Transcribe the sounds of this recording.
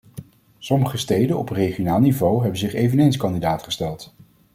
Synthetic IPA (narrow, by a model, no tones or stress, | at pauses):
sɔməχəstejdənɔprejχijonaːlˠnivowɦɛbənzɪχejvənejnskɑndidaːtχəstɛlˠt